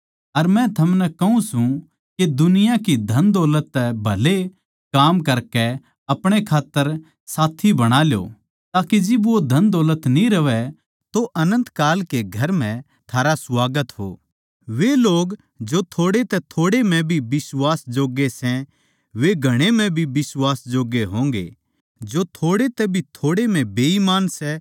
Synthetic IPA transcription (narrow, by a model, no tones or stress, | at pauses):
ɐɾmɛ̃t̪ʰɐmnɛkɐɦũsũ | ked̪ʊnɪjãkid̪ʱɐnd̪ɔːlət̪ːɛbʱɐle | kaːmkɐɾkɛ | ɐpɽ̃ekʰaːt̪ːəɾ | saːt̪ʰibɐɽ̃aːljo̰ː | t̪aːkid͡ʒɪbʋod̪ʱɐ̃nd̪ɔːlət̪nĩɾɐʋɛ | t̪oʔɐnə̃nt̪kaːlkeɡʱɐɾm̤ɛ̃ | t̪ʰaːɾaswaːɡət̪ɦo̰ː | ʋeloːɡ | d͡ʒot̪ʰoːɽet̪ɛt̪ʰoːɽem̤ɛ̃bʱibɪswaːsd͡ʒoːɡesɛ̃ | ʋeɡʱɐɽ̃em̤ɛ̃bʱibɪswaːsd͡ʒoːɡeɦõːŋɡḛ | d͡ʒot̪ʰoːɽet̪ɛbʱit̪ʰoːɽem̤ɛ̃beːimaːnsɛ